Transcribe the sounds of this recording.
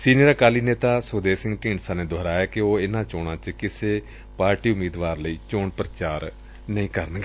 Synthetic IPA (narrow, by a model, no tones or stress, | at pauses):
siːniəɾaːkaːliːneːt̪aːsoːd̪eːsɪ̃ŋɡʈĩːɳsãːneːd̪oːɾaːjaːkɪoːɪnãːt͡ʃoːɽ̃ãːt͡ʃkɪseː | paːɾʈiːʊmiːd̪ʋaːɾləiːt͡ʃoːɳpɾət͡ʃaːɾ | nəĩːkəɾənɡeː